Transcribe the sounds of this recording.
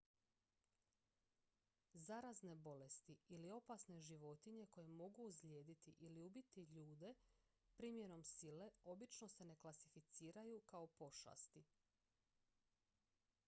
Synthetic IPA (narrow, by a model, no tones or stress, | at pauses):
zaɾazne̞bo̞le̞st̪iilio̞pasne̞ʒiʋo̞t̪iɲe̞ko̞je̞mo̞ɡuːzle̞ːd̪it̪iʔiliubit̪iʎuːd̪e̞ | pɾiːmje̞ɾo̞msile̞o̞bit͡ʃno̞se̞ne̞klasifit̪siːɾajukao̞po̞ʃa̰st̪i